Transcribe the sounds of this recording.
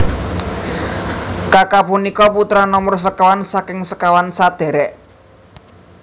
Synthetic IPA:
kakapunikɔput̪ɾanɔmɔrs̬əkawansakɪŋsə̥kawansad̪̥e̤ɾɛʔ

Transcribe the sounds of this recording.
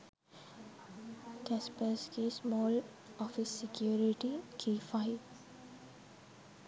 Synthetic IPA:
kɛspəskesmɔːl | ɔfɪsːɪkjuːɾɪʈikʰeːfaɪʋ

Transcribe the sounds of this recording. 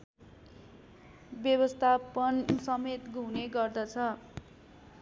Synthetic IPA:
bjʌβʌst̪ʰapʌnsʌmet̪ɡʱuneɡʌrd̪ʌt͡sʰʌ

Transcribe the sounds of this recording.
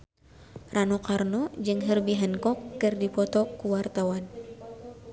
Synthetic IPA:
ranɔkarnɔd͡ʒɨŋɦərbiɦənkɔkːɨrdipɔt̪ɔkuwart̪awan

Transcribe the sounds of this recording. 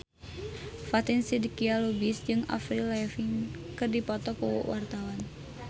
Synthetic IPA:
fat̪insidikialubisd͡ʒɨŋa̰fɾilafiŋkɨrdipɔt̪ɔkṵwart̪awan

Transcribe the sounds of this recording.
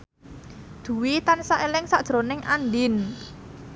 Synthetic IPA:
d̪̥ṳwit̪ansaʔelɪŋsaʔd̥ʒ̥ɾonɪŋʔanɖɪn

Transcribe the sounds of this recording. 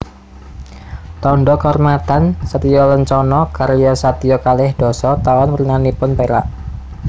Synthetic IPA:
t̪ɔɳɖɔkɔrmat̪ansət̪ijɔləɲt͡ʃɔnɔkaɾjɔsat̪ijɔkalɪhd̥ɔ̤sɔt̪awanwərnanipʊnpeɾa̰ʔ

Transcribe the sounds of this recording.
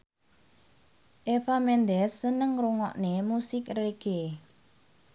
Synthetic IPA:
ʔefamɛnd̪ɛsːənəŋruŋɔ̰ʔnemusɪkreɡ̥e

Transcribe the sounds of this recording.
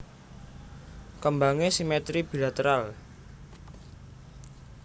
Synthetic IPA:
kəmbaŋesimɛt̪ɾib̥i̤lat̪əɾal

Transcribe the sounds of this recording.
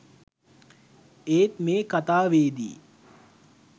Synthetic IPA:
eːt̪meːkat̪aːʋeːd̪ḭː

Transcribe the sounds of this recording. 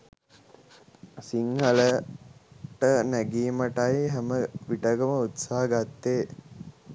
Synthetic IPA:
siŋhələ | ʈənæɡiːməʈajɦæməʋiʈəɡəməut̪saɦəɡat̪ːeː

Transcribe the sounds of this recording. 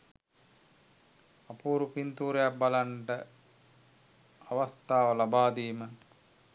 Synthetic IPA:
apuːɾupint̪uːɾejak̚balaɳʈə | aʋast̪aːʋəlabaːd̪iːmə

